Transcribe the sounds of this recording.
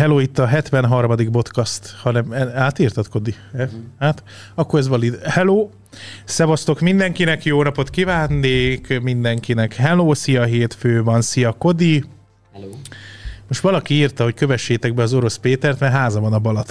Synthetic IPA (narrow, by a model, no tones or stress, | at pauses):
hɛloːit̪ːɒɦɛt̪ʋɛnɦɒrmɒd̪iɡbo̞t̪kɒst̪hɒnɛmɛaːt̪iːrt̪ɒt̪ko̞d̪iɛhaːt̪ | ɒkːoɾɛzʋɒlit̪hɛloː | sɛvɒst̪o̞kmind̪ɛŋkinɛkjoːnɒpo̞t̪kivaːnːeːkmind̪ɛŋkinɛkhɛloːsijɒɦeːt̪føːvɒnsiɒko̞d̪i | moʃt̪ʋɒlɒkiiːrt̪ɒɦo̞ckøvɛʃːeːt̪ɛɡ̚bɛɒzo̞ɾo̞speːt̪ɛrt̪mɛɦaːzɒvɒnɒbɒlɒt̪